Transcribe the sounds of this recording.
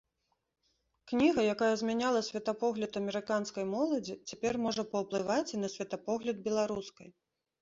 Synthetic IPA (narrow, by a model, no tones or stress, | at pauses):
knʲiɣɐjakajɐzʲmʲanʲalˠɐsʲvʲɛt̪apɔɣlʲɐt̪ɐmʲɛɾɨkanskɐjmɔlˠɐd͡zʲit͡sʲapʲɛrmɔʐɐpɐwplˠɨvat͡sʲinɐsʲvʲɐt̪apɔɣlʲɐd̪̚bʲɛlˠaɾuskɐj